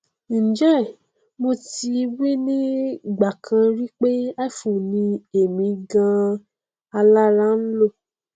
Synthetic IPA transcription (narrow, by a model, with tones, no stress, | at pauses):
n̩˨d͡ʒɛ˦˨ | mo˧ti˧wi˦nĩ˦ɡ͡ba˨kʰã˧ɾi˦k͡pe˦a˦˨fu˨nĩ˧e˨mĩ˧ɡã˧ | a˧la˦ɾa˦n̩˦lo˦˨